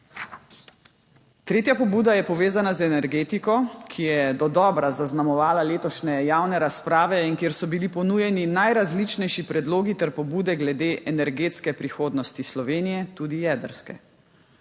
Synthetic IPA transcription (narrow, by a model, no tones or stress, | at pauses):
t̪ɾeːt̪japɔbuːd̪ajɛpɔʋeːzanazɛnɛɾɡeːt̪ikɔkʰijɛd̪ɔd̪ɔːbɾazaznamɔʋaːlaleːt̪ɔʃnɛjaːwnɛɾaspɾaːʋɛinkjeːɾsɔbilipɔnuːjɛninajɾazlit͡ʃnɛjʃipɾɛd̪loːɡit̪ɛɾpɔbuːd̪ɛɡlɛd̪eːʔɛnɛɾɡeːt̪skɛpɾixoːd̪nɔst̪islɔʋeːnijɛt̪uːd̪ijɛːd̪əɾskɛ̰